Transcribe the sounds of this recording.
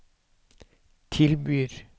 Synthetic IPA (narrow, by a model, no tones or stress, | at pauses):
t̪ʰɪlbyːɾ